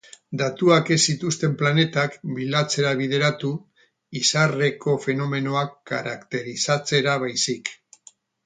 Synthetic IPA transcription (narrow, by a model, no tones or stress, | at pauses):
d̪at̪uake̞sit̪ust̪e̞mplane̞t̪akbilat͡se̞ɾaβ̞ið̞e̞ɾat̪u | isare̞ko̞fe̞no̞me̞no̞akːa̰ɾakt̪e̞ɾisat͡se̞ɾaβajsik